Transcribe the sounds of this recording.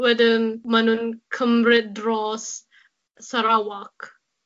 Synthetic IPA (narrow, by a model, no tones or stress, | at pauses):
wɛdənmanunkʰəmrɪt̚drɔs | saɾawak